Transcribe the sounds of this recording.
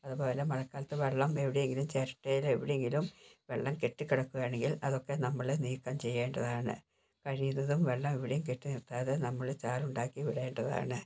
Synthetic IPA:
ɐðubo̞ːle̞mɐɻɐkːaːlɐt̪ːɨʋe̞ɭːɐme̞ʋiɽejeŋɡilumt͡ɕɐɾʈːɐjileʋiɽejeŋɡilumʋe̞ɭːɐmke̞ʈːɨkiɽɐkːuɣjaːɳeŋɡilɐðo̞kːe̞nɐmːɐɭniːkːɐmt͡ɕe̞jːeːɳɖɐðaːɳɨ̰ | kɐɻijunːɐðumʋe̞ɭːɐmiʋiɽejumk̬eʈːɨnirt̪ːaːðenɐmːɐɭt͡ɕaːluɳɖaːkːiʋiɽɐeːɳɖɐða̰ːɳɨ

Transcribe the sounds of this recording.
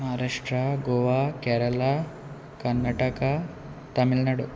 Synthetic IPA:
ɦaːɾaʂʈɾaɡoːʋaːkɛːɾɐla | kɐnːɐʈɐkɐ | t̪ɐmilnɐɽu

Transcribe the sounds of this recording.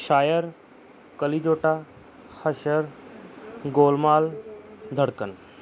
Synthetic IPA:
ʃaːjəɾ | kəlid͡ʑoːʈa | həʃəɾ | ɡoːlmaːld̪ʱəɽkən

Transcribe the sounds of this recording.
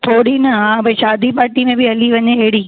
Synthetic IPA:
t̪ʰoːɽinɐɦãːbɐʃaːd̪ipaːɾʈimẽbɪɦɐliʋɐɲeɦɐɦɪɽiː

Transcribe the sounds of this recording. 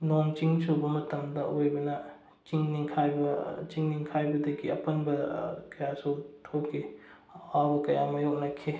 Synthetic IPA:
nont͡ʃiŋsobɐmɐtɐmdɐʔojbɐnɐ | t͡ʃiŋniŋkʰajbɐt͡ʃiŋniŋkʰajbɐdɐɡiɐ̰pɐnbɐkɐjasowtʰop̚ɡi | awbɐkɐjamɐjok̚nɐkʰe

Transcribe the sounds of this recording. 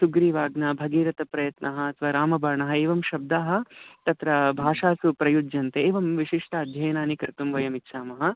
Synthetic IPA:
suɡɾiːʋaːɡnɐbʱɐɡeːɾɐt̪ɐpɾɐjɐt̪nɐɦɐɐt̪ʰʋɐɾaːmɐbɐːɾɳɐɦɐeːʋɐmʃɐb̚d̪aːɦɐ̆t̪ɐt̪ɾɐbʱaːʂaːsupɾɐjud͡ʒjɐnt̪eeːʋɐmʋiʃiʂʈʰɐːd̪ʱjɐjɐnaːnikɐɾt̪umʋɐjɐmitːʃʰaːmɐɦɐ̆

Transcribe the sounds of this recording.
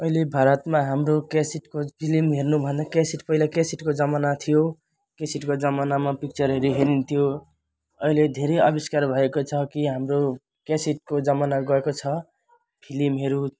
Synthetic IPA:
ʌilebʱaɾʌt̪maɦamɾokesiʈkopʰilimɦernubʱʌnd̪akesiʈpʌilakesiʈkod͡zʌmanat̪ʰijo | kesiʈkod͡zʌmanamapik̚t͡sʌɾɦeɾiɦeɾint̪ʰijo | ʌiled̪ʱeɾejʌbiskaɾbʱʌekot͡sʰʌkiɦamɾo | kesiʈ̚kod͡zʌmanaɡʌekot͡sʰʌ | pʰilimɦeɾu

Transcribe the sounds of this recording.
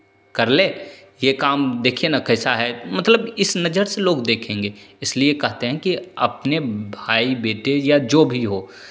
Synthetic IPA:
kɐɾleː | jekaːmd̪eːkʰienakɛːsaɦɛmɐt̪ləbɪsnɐd͡ʒəɾseloːɡd̪eːkʰẽːŋɡeːɪsliekɛɦt̪eɦɛ̃kiɐpnebʱaːibeːʈejad͡ʒoːbʱiɦoː

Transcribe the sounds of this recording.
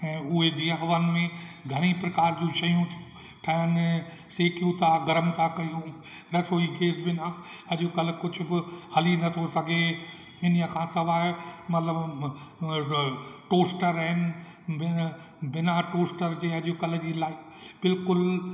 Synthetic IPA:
ɛ̃ːʊɦed̪iəɦʋənmẽɡʱɐɽ̃ipɾɐkaːɾd͡ʑũʃɐjũt̪ʰu | ʈʰɐjən | seːkjũt̪ʰaɡɐɾəmt̪ʰakɐjũ | ɾɐsoːiɡeːsbɪna | ɐʄokɐlkʊd͡ʑʰʱʊ̆bɪhɐlinɐt̪ʰosɐɡʱe | ɪnjəkʰãːsɐʋaːmɐt̪ləb | ʈoːsʈəɾɦɪnɪ̆ | bɪ | bɪnaʈoːsʈəɾd͡ʑeːɐʄokɐld͡ʑiːlaːɪ | bɪlkʊl

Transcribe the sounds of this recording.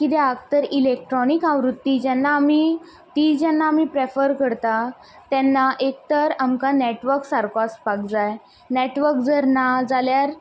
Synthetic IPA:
kit̪ɛaɡt̪əɾilek̚ʈɾɔnikaʋɾut̪ːid͡ʑɛnːaːmi | t̪iːd͡ʑɛnːaːmipɾefəɾkəɾt̪a | t̪ɛnːaʔek̚t̪əɾamkaneʈʋəɾksaɾkaspakd͡zaj | neʈʋəɾkd͡zəɾnad͡zaljaɾ

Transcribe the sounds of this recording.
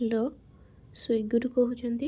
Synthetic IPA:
lɔ | sujɡɔɾukɔɦut͡ʃʰɔnt̪i

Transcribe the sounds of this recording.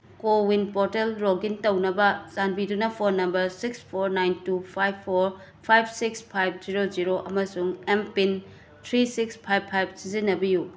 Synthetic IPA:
kowinpoɾtelɾoɡintɐwnɐbɐzanbidunɐpʰoɾnɐmbɐɾsikspʰoɾnajntupʰajbʰoɾ | pʰajb̚sikspʰajb̚ʰziɾod͡ʒiɾoʔɐmɐsuŋempin | tʰɾisikspʰajbʰajb̚sizinɐbiju

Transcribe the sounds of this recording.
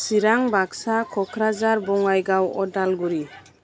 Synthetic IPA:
siɾaŋbaksakʰɔkʰɾazaɾbɔŋajɡawɔdalɡuɾi

